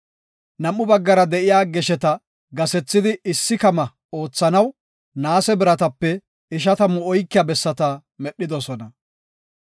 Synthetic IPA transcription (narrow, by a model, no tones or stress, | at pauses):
nɐmːʊbɐɡːɐɾɐd̪ɛʔɪjaːɡɛʃɛt̪ɐ | ɡɐsɛt͡sːɪd̪ɪɪsːɪkɐmɐ | o̞ːt͡sːɐnɐw | naːsɛbɪɾɐt̪ɐpːɛ | ɪʃ̬ɐt̪ɐmʊɔjkːɪjɐbɛsːɐt̪ɐ | mɛɗːɪd̪ɔsɔnɐ